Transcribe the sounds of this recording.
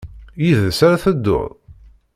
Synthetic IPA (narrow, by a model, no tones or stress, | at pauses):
jiðsaɾaθəd̪ːʊ̰ðˤ